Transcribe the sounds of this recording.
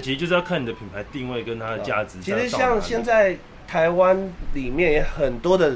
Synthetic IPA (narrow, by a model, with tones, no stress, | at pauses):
t͡ɕʰi˧˥˧jo˥˧ʂ̩˥jɑ˥˧kʰa˥˩ni˨˩d̪ə˩pʰi˨˩npʰa˧˦ɪt̪i˥˧ŋwe˥˩ɪkə˦nt̪ʰa˦d̪ə˧t͡ɕja̰˥˩t͡sɹ̩˨˦t͡ɕʰi˧˥ʂɻ̩˧˥ɕjɑ˥˧ŋɕjɛ˥˧nt͡sa˥˩ɪ | t̪ʰa˧˦ɪwa˦nli˨˩mjɛ˥˨njɛ˨˧˥xə˨˩nt̪wɔ˥d̪ə˨